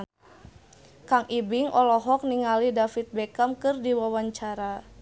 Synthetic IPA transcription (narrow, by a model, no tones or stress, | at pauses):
kaŋʔibiŋʔɔlɔɦɔk̚niŋalidafit̪̚bɛkamkɨrdiwawaɲt͡ʃaɾa